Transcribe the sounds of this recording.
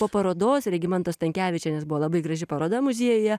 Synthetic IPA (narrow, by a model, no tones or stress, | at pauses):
poːpɐɾoːd̪oːsɾʲɛɡʲɪmʲɛnt̪oːst̪ɐŋʲkʲæːʋʲɪt͡ʃʲɛnʲɛsbʊʋoːlˠɐbɐɪɡɾɐʒʲɪpɐɾoːd̪ɐmʊzʲiɛjʊjɛ